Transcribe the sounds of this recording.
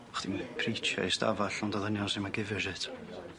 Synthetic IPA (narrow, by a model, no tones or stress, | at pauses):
χd̥impʰrit͡ʃʰa̰ista̰vaɬɔndaðənjɔnsimaɡɪvɪʃɪtʰ